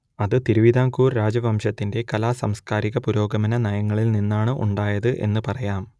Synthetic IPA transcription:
ɐðɨt̪iɾuʋid̪aːŋkuːrɾaːd͡ʑɐʋɐmʂɐt̪ːinde̞kɐlaːsɐmskaːɾiɣɐpuɾo̞ːɡɐmɐnɐnɐjɐŋːɐɭilninːaːɳɨʔṵɳɖaːjɐðɨʔe̞̰nːɨpɐrɐjaːm

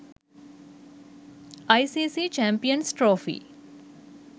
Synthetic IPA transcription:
aisisiːt͡ʃɛ̃mpijənsʈɾoːfḭː

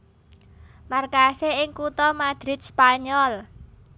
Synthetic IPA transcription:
markaseɪŋkut̪ɔmad̪̥ɾɪt̪̚spaɲɔl

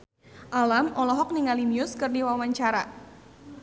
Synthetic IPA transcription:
ʔalamɔlɔɦɔk̚niŋaliniʊskɨrdiwawaɲt͡ʃaɾa̰

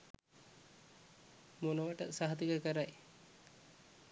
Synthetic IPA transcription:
monəʋəʈə̰saɦt̪ikəkəɾaj

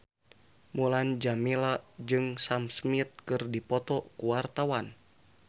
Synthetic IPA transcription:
muland͡ʒamilad͡ʒɨŋsamsmit̪̚kɨrdipɔt̪ɔkuwart̪awan

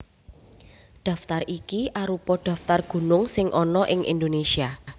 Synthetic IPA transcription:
ɖ̪̥ä̤ft̪arikiʔaɾupɔɖ̥a̤ft̪arɡ̥ṳnʊŋsɪŋʔɔnɔʔɪŋʔḭnd̪onesia

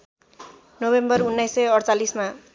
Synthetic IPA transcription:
nobembʌrunːajsʌjʌɽt͡salisma

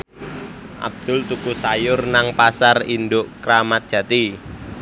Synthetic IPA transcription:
ʔa̰b̚d̪̥ʊlt̪ukusajʊrnaŋpasarind̪ʊʔkɾamat̪̚dʒ̥ä̤t̪i

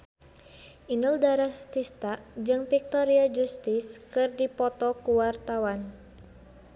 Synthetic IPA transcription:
ʔinəldaɾast̪ist̪aʔd͡ʒɨŋfik̚t̪ɔɾiad͡ʒust̪iskɨrdipɔt̪ɔkuwart̪awan

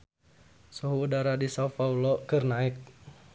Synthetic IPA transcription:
suɦuːdaɾadisaufaulɔkɨrnaɪk̚

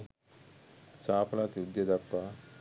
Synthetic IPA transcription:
saːpʰɐlat̪iud̪jɐd̪ɐpːa

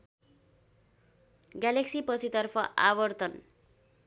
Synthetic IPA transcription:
ɡjaleksipʌt͡sʰit̪ʌrpʰʌʔa̰bʌrt̪ʌn

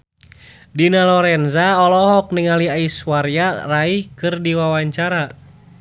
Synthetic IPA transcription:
dinalɔɾɛnzaɔlɔɦɔk̚niŋaliaiswaɾjaraihkɨrdiwawaɲt͡ʃaɾa

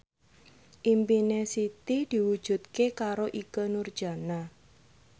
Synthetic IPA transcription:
ʔimpinesit̪id̪̥i̤wud̥ʒ̥ṳt̪̚kekaɾoʔikənurd̥ʒ̥a̤na

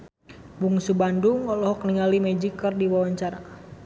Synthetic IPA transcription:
buŋsubanduŋɔlɔɦɔkniŋalimɛd͡ʒikərdiwawaɲt͡ʃaɾa̰

